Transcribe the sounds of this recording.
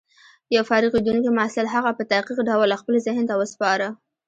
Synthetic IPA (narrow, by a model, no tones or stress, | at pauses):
jawfɑɾɪɣid̪uŋkimasɪlɦaɣapət̪aqiqɖawlːaxpəlzɪhnet̪awəspɑɾə